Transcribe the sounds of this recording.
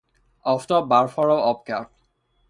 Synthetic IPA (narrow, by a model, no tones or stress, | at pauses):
ɔftɔbaɹfɔɹɔɔp̚ka̰ɹt